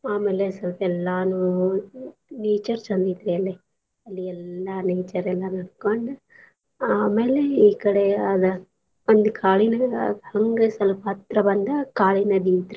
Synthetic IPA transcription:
aːmeːlesɐlpɐɛlːaːnu | neːt͡ʃɐɾt͡ʃɐnd̪it̪ɾiɐlːe | ɐlːiɛlːɐneːt͡ʃɐɾɛlːɐnɐɽkoɳɖu | aːmeːleiːkɐɽeɐd̪ɐ | ond̪ukʰaːɭinɐɐhɐŋɡesɐlpɐɐt̪ɾɐbɐnd̪ɐkaːɭinɐd̪iːʋt̪ɾi

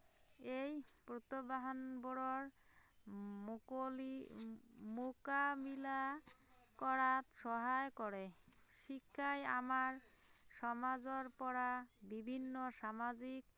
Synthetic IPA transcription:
ejpɾot̪obaɦanboɾoɾ | mokabila | kɔɾat̪ʃɔɦaekɔɾeʃikʰːaja̰maɾʃɔmad͡ʑoɾpɔɾabibʱinːoʃamad͡ʑik̚

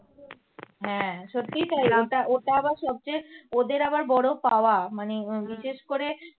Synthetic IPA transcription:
ɦɛ̃ʃot̪ːijt̪ajlaoʈaʔoʈaabaɾʃɔb̚t͡ɕajod̪eɾabaɾbɔɽopaoamanebiʃeʃkoɾe

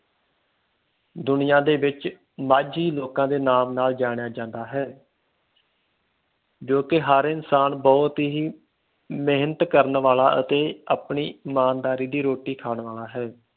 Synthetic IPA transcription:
d̪ʊnɪjãːd̪eːʋɪt͡ʃ | maːd͡ʒiːloːkãːd̪eːnaːmnaːld͡ʒaːɽ̃ɪjaːd͡ʒãːnd̪aːɦɛː | d͡ʒoːkɪɦəɾɪnsaːnbɔːt̪ːɦiː | meːɦnət̪kəɾənʋaːlaːʔə̰t̪eːapɳiːmaːnd̪aːɾiːd̪iːɾoːʈiːkʰaːɳʋaːlaːɦɛː

